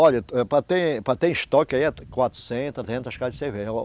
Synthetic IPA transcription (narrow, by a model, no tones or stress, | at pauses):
ɔʎɐɛpɾɐt̪ẽj̃pɾɐt̪ẽj̃ʃt̪ɔkaiɛkwat̪ɾu̥sẽnt̪ɐzẽnt̪ɐʃkad͡ʒseve